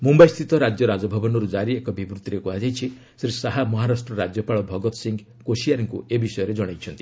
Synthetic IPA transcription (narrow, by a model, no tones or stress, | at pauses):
mumbajst̪ʰit̪ɔɾad͡ʒjɔɾad͡ʒɔbʱabɔnɔɾud͡ʒaɾiekɔbʱibɾut̪iɾekuɦad͡ʒajt͡ʃʰi | sɾisaɦamɔɦaɾasʈɾɔɾad͡ʒjɔpaɭɔbʱɔɡɔt̪ɔ̥siŋɡ | kosiaɾiŋkuebisɔjɔɾed͡ʒɔɽ̃ajt͡ʃʰɔnt̪i